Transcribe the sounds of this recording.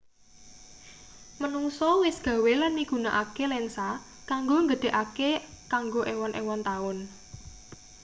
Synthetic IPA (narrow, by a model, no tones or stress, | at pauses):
mənuŋsɔwɪsɡ̥ä̤welanːiɡ̥ṳnaʔakelɛnsa | kaŋɡoŋɡəd̪̥e̤ʔakekaŋɡoʔewɔnʔḛwɔnt̪aʊn